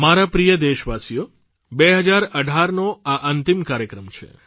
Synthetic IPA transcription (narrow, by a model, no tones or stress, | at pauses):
maɾapɾijəd̪eʃʋasijo | beɦəd͡ʒaɾəɖʱaɾnoaʔənt̪imkaɾjəkɾəmt͡ʃʰḛ